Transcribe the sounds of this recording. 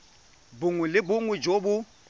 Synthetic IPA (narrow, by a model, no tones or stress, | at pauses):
bʊŋwɛlɪbʊŋwɛd͡ʒobʊ